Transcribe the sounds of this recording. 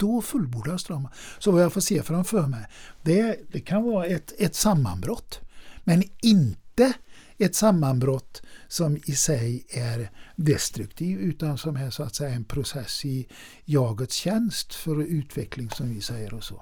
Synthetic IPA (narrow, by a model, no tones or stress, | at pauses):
d̪̥ɔfɵlbuːɖast̪ɾɑməsɔvɑjafoːseːfɾamføːɾmɛɪd̪ɛæd̪ɛkʰanvɑːɾaɛt̪ɛt̪samːa̰nbɾɔt̪ːmɛnɪnt̪ə | ɛt̪samːanbɾɔt̪ːsɔmɪsɛjæɾd̪ɛst̪ɾɵkt̪ʰiːvʉːt̪ansɔmæsʊat̪sɛjaɛnpʰɾʊsɛsɪ | jɑːɡət̪sçɛnst̪fɔɾʉːt̪ʰʋɛklɪŋsɔmʋɪsɛɪəɾɔsɔ̰